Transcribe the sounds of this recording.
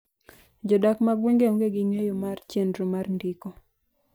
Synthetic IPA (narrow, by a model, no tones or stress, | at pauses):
d͡ʒɔdakmaɡweŋɡeɔŋɡeɡɪŋwejomart͡ʃendɾomarndiko